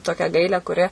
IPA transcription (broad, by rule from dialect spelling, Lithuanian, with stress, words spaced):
ˈtoːkʲæː ˈɡɐɪlʲæː kʊˈrʲɪ